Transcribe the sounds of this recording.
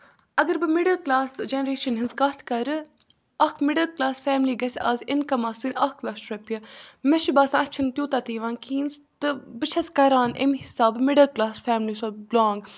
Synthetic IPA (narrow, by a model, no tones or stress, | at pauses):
ɐɡɐɾbɨmɪɖɐlklaːsd͡ʒenɾeːʃɐnɦɪnzkaːt̪ʰkɐɾɨ | ɐkʰmɪɖɐlklaːsfɛːmliːɡɐsʲaːzɪnkɐmɐːsɨnɐkʰlaːsʃɾɐpʲɨmeʃibaːsãːɐt͡ʃʰint̪ʲjoːt̪at̪iːʋãːnkʰiːnst̪ɨbɨt͡ʃʰɐskɐɾaːnḛmhɪsaːbmɪɖɐlklaːsfɛːmlisoblaːŋɡ